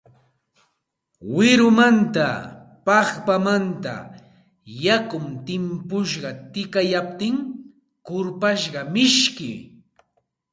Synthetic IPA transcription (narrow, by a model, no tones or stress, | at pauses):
wɪɾʊmant̪a̰pɑχpamant̪a̰ | jakʊmt̪ɪmpʊʃɢɑt̪ɪkajap̚t̪ɪŋ | kʊɾpaʃɢɑmɪʃkɪ̰